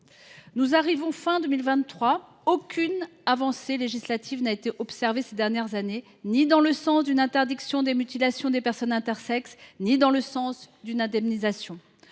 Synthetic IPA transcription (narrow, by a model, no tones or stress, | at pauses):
nuzaʁivɔ̃fɛ̃d̪ømilvɛ̃χwa | okʲʰynavɑ̃seleʒislat̪ʰivnaet̪eʔɔpsɛʁvesed̪ɛʁnjɛʁzane | nid̪ɑ̃ləsɑ̃sd̪ynɛ̃t̪ɛʁd̪iksjɔ̃d̪emyt̪ilasjɔ̃d̪epɛʁsɔnɛ̃t̪ɛʁsɛksnid̪ɑ̃ləsɑ̃sd̪ynɛ̃d̪ɛmnizasjɔ̃